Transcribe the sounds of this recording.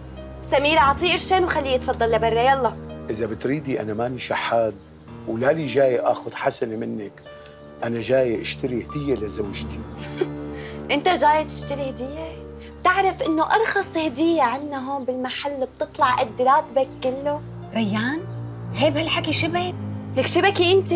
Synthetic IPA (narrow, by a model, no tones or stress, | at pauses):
samiːɾʕɑt̪ˤiːʔɪɾʃaːnwxalːiːɪt̪fɑd̪ˤːɑlːabɑrˤːɑjɑlˤːɑʔɪzabɪt̪ɾiːd̪iʔa̰namaniʃaħːaːd̪ | wlaliʒaːjʔaːxʊd̪ħasanmɪnːak | ʔanaʒaːjʔɪʃt̪aɾihd̪ɪjːalazawʒt̪i | ʔɪnt̪aʒaːjat̪ɪ̥ʃt̪ɪɾihd̪ɪjːa | b̥̚t̪ɪʕɾafʔɪnːoʔɑɾˤxɑsˤhad̪ɪjːaʕɪnːaɦoːnbɪlmaħalːb̚t̪ɨt̪ˤlɑʕʔad̪ːɾˤɑːt̪bakːɪlːo | ɾajːaːnheːbhalħakiʃabalakʃabakiʔɪnt̪i